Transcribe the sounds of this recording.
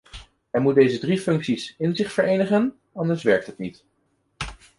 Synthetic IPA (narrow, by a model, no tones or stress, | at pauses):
ɛɹmut̚dejzədrifɵŋksisɪnzɪχfəɹejnəχən | ɑndəɹsʋɛɹk̚tɦətnit